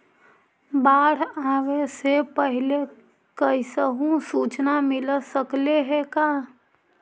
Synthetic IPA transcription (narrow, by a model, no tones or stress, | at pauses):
baːɽ̤aʋesepəɦɪle | kəɪsəɦũsuːt͡ʃnamɪlsəkleɦɛkaː